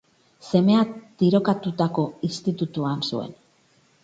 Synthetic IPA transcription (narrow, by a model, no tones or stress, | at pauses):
se̞me̞at̪iɾo̞kat̪ut̪ako̞ist̪it̪ut̪uansue̞̰n